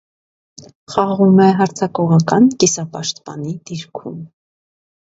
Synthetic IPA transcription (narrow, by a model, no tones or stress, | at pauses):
χɑʁumɛɦɑɾt͡sʰɑkɔʁɑkɑnkisɑpɑʃt̪pɑ̰nid̪̥iɾkʰṵm